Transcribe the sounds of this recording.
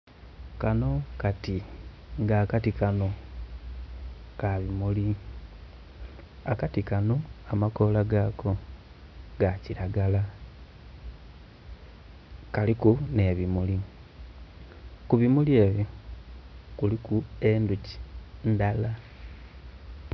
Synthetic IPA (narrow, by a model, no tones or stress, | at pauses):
kano̞kati | ŋɡaːkatikano̞ | kaβimuli | akatikano̞amako̞laɡaːkʰo̞ | ɡaciɾaɡala | kalikune̞βimuli | kuβimulie̞ːβjo | kulikue̞nduci̥ndala